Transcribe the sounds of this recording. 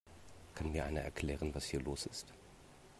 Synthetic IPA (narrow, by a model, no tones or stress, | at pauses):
kʰanmiːɐʔa̰ɪnɐʔɛ̰ɐkʰl̥ɛːʁənvashiːɐloːsɪst